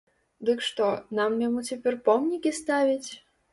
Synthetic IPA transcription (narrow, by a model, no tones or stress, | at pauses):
d̪ɨkʂt̪ɔnamjamut͡sʲapʲɛrpɔmnʲikʲist̪avʲit͡sʲ